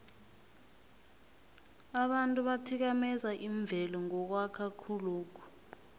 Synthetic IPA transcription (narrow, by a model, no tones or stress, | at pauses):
aɓantʼuɓatʰik̬amɛzaʔiɱb̪vʱɛlɔŋɔk̬wakʰakʰuluːk̬ʰɔ̥